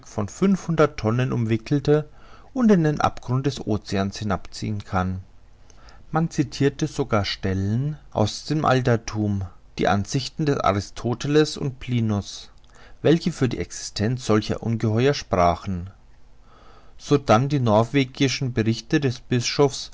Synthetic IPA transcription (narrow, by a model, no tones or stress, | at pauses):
kfɔnfʏnfhʊndɐtʰːɔnənʔʊmvɪkl̩tə | ʔʊntɪndenʔa̰pɡ̥ʁʊnt̚d̥ɛsʔoːt͡seaːnshɪnapt͡sḭːənkʰan | mant͡sitʰiːɐtəzoɡaːɐʃtɛlənʔa̰ʊsd̥eːmʔa̰ltɐtʰuːm | d̥ḭːʔa̰nzɪçtn̩dɛsʔa̰ʁɪstʰoːtʰɛləsʊ̰nt̚pʰl̥iːnʊs | vɛlçəfyːɐdḭːʔɛksɪ̥stʰɛnt͡sz̥ɔlçɐ̰ʔʊ̰nɡəɦɔʏɐʃpʁ̥aːχn̩ | z̥oːdandiːnɔɐv̥eːɡɪʃn̩bəʁɪçtədɛsb̥ɪsʃofs